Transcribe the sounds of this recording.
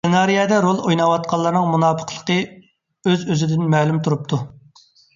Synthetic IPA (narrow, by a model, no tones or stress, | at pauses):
ɪnɑɾijɛd̪ɛɾolˠojnɑwɑt̪̚qʰɑlˠːəɾnɨŋmunɑːpʰə̥qʰlˠə̥qə | øzøzɪd̪ɪnmɛːlumt̪ʰuɾup̚t̪ʰu